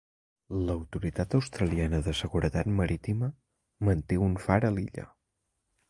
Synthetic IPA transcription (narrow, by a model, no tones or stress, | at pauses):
ləwt̪uɾit̪at̪əwst̪ɾəlianəðəsəɣuɾət̪at̪məɾit̪imə | mənt̪eunfaɾəliʎə̰